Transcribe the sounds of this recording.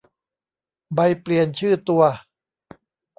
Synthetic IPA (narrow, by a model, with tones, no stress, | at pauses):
ba˧jpli˨˧ənt͡ɕʰɯː˥˩t̪u˧ɐ